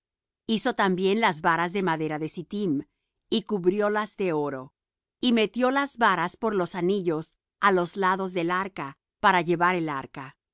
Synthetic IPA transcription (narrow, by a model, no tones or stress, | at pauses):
iso̞t̪ambje̞nlazβaɾazðe̞maðe̞ɾaðe̞sit̪im | ikuβɾjo̞lazðe̞o̞ɾo̞ | ime̞t̪jo̞lazβaɾaspo̞ɾlo̞saniʝo̞s | alo̞zlaðo̞zðe̞laɾka | paɾaʝe̞βaɾe̞laɾka